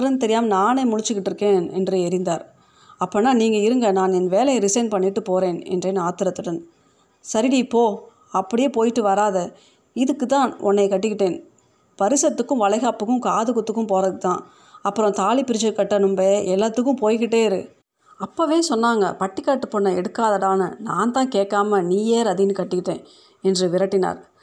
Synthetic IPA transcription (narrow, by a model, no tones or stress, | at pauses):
ɾɐnɯt̪̬ɛɾɪjaːmnaːnemʊɻɪt͡ʃːɯkːɪʈːɪɾɯkːeːnɛ̰ndrɯɛɾɪnd̪aːɾ | ɐpːoːnːaːniːŋɡɐɪɾɯŋɡɐnaːnɛnʋeːlɐjɐɾɪsɐɪnpɐɳːɪʈːɯpoːɾeːnɛ̰ndreːnaːt̪ɪɾɐt̪ːɯɽɐn | sɐɾɪipːoː | ɐpːɐɽɪjeːpoːjɪʈːɯʋɐɾaːðɐ | ɪðɯkːɯt̪ːãːnʔɔnːɐɪkɐʈːɯkːɪʈːeːn | pɐɾɪsɐt̪ːɯkːɯ̃ʋɐlɐɪɣaːpɯkːɯ̃mkaːðɯkʊt̪ːɯkːɯmpoːɾɐðɯt̪ːãː | ɐpːɯɾɔ̃t̪aːlipɪɾɪt͡ʃːɐɾkɐʈːɐnɯmbeʔɛlːat̪ːɯkːɯ̃mpoːjkɪʈːeːɪɾɯ̰ | ɐpːoːʋeːsɔnːaːŋɡɐ̰pɐʈːɪkːaːʈːɯpːɔnːɐɛɽɯkːaːðɐɽaːnɐnãːnt̪ãːkeːʈkːaːmɐniːjeːɾɐðɪnɯkɐʈːɪkːɪʈːḛ̃ː | ɛndrɯʋɪɾɐʈːɪna̰ːɾ